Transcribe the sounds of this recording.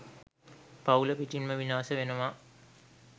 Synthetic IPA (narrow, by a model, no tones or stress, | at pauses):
pauləpiʈinməʋinaːsəʋenəʋa